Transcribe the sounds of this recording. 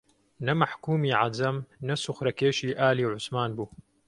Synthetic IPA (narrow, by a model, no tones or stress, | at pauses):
nɐmaħkuːmiːʕazɐmnɐsʊxɾɐkeːʃiːʔaːliːwʕʊsmaːnbuː